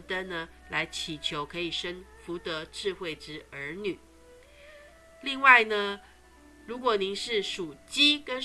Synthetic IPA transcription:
t̪ə˥nnə˨ | la˧˥ɪt͡ɕʰi˨˩t͡ɕʰjo˧˥ʊkʰɤ˧˥i˨˩ʂə˥ŋfu˧˥t̪ɤ˧˥ʈ͡ʂɻ̩˥˧xwe˥˩ɪʈ͡ʂɻ̩˧˥ə˧˥ny˨˩˦ | li˥˧ŋwa˥˩ɪnə˩ | ɻu˧˥kwɔ˨˩ni˧˥˦ŋʂɻ̩˥˩ʂu˨˩t͡ɕi˥kə˥n

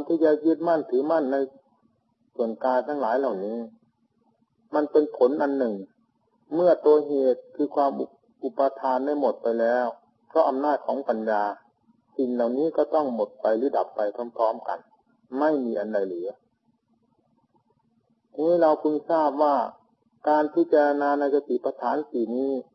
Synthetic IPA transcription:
a˧nt̪ʰiː˧˩t͡ɕa˧˩ji˧˥˩t̪̚ma˧˥˩nt̪ʰɯː˨˦ma˧˥˨nːa˧j | su˨˩ənkaː˧nt̪ʰaː˧˥ŋlaː˨˦jla˨˩wniː˦˥˨ | ma˧npe˧npʰo˨˦nʔa˧nːɯ˨˩ŋ | mɯ˥˩ɐt̪u˧ɐɦeː˨˩t̪̚kʰɯː˧kʰwaː˧mu˧ | ʔu˨˧˩pːa˧t̪ʰaː˧nːa˧˥˩jmo˨˩t̪̚pa˧jlɛː˦˧˥w | pʰɾɔ˦˥ʔa˧mnaː˥˩t̪̚kʰɔː˨˦ŋpa˨njaː˧ | si˨˩ŋla˨˩wniː˦˥˨kɔ˧˥˩t̪ɔ˥˩ŋmo˨˩t̪̚pa˧jlɯː˨˦˥da˨˩pːa˧jkʰa˧˥˩mpʰɔː˦˥˨mka̰˧˩n | ma˥˩jmiː˧ʔa˧˨nda˧jlɯː˩˦ | a˧ŋa˦˥˩la˧wkʰu˧nsaː˥˩p̚waː˧˥˩ | kaː˧npʰi˥t͡ɕaː˧ɾa˧naː˧na˧jka˧t̪i˨pa˧t̪ʰaː˨˩˦nsiː˨˩niː˦˥˩

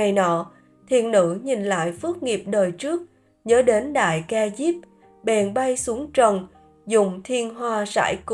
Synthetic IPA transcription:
a˨˩jnɔ̰˧˨ | t̪ʰḭ˧˨ənːɨ̰˧˥ɲi˨˩nla̰ː˧˨jfɨ˦˥ək̚ŋi˨˩əp̚ɗəː˨˩jt͡ɕɨ˦˥ək̚ | ɲəː˨˦ɗe˨˦nɗa̰ː˧˨jka˧zi˦˥p̚ | ɓɛ˨˩nɓa˧jsu˨˦əŋt͡ɕə˨˩n | zʊ̰˧˨ŋ͡mt̪ʰi˧ənɦwaː˧sa̰ː˧˩jk

